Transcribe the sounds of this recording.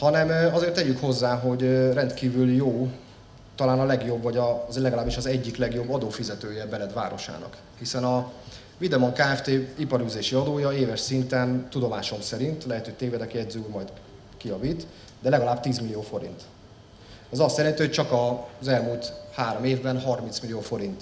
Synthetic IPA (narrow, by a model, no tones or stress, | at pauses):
hɒnɛmɒzeːrt̪ːɛɟykho̞zːaːɦo̞ɟrɛnt̪kiːvyljoː | t̪ɒlaːnɒlɛɡjo̞bːvɒɟɒzlɛɡɒlaːbiʃɒzɛɟːiklɛɡjo̞bːɒd̪oːfizɛt̪øːjɛbɛlɛd̪ʋa̰ːɾo̞ʃa̰ːnɒ̰k | hisɛnɒ | vid̪ɛmoŋkaːɛft̪eːipɒɾyːzeːʃiɒd̪oːjɒeːvɛʃsint̪ɛnt̪ud̪o̞maːʃo̞msɛɾint̪lɛɦɛt̪ø̥ːt̪eːvɛd̪ɛkɛd̪zylmɒjt̪ | kijɒviːt̪ | d̪ɛlɛɡɒlaːbt̪iːzmilijoːfo̞ɾḭnt̪ | ɛzɒst̪sɛɾɛnt̪iho̞c̚t͡ʃɒkɒzɛlmuːlt̪haːɾo̞meːvbɛnɦɒrmint̪smilijoːfo̞ɾint̪